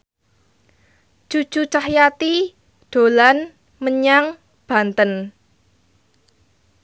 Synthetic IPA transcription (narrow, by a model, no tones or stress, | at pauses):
d͡ʒ̥u̥ʒ̥ut͡ʃahjat̪i | ɖ̪̥o̤lan | məɲaŋ | b̥a̤nt̪ən